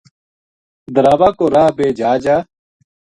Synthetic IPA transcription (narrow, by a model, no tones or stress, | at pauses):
d̪əɾaːʋaːkoːɾaːbeːd͡ʒaːd͡ʒaː